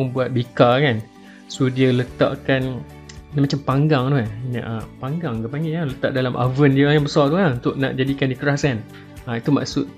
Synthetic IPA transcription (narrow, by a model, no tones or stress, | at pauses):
ʊŋbuat̪̚bikakan | sudiələt̪a̰ʔkan | amat͡ʃampaŋɡaŋt̪uannã̰ʔapaŋɡaŋkapaŋɡɪalət̪aʔ̚dalamʔa̰vəndiəajabəsat̪uaunt̪ʊʔ̚na̰ʔd͡ʒadikandikəɾaskan | ait̪uma̰ʔsʊt̪̚